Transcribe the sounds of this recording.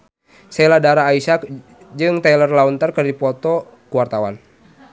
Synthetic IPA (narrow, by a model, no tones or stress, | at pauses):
sɛladaɾaːisa | d͡ʒɨŋt̪ɛlərlaunt̪ərkərdipɔt̪ɔ | kuwart̪awa̰n